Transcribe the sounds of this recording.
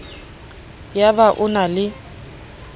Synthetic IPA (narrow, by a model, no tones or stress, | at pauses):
jabaʔʊnalɪ